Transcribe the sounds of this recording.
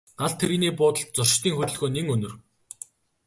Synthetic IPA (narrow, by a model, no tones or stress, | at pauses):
ɢaɮt̪ʰeɾiniːpʊːt̪ə̆ɬt̪̚t͡sʊr̥ʃt̪iːŋxɵt̪ɵ̆ɮɣoːneŋɵnɵ̆r